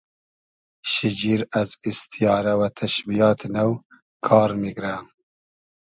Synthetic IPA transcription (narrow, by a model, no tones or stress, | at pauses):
ʃid͡ʒiɾazist̪ʰijɑːɾawat̪ʰaʃbijɑːt̪naw | kʰɑːɾmiɡɾa